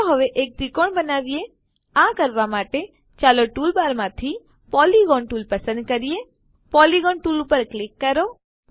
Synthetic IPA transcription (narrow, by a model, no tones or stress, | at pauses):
ɦəʋeʔek̚d̪ikoɳbənaʋie | ãkəɾʋamaʈe | t͡ʃaloʈulbaɾmãt̪ʰi | pɔliɡɔnʈuːlpəsə̃nd̪̚kəɾije | pɔliɡɔɳʈulupəɾklɪkːəɾo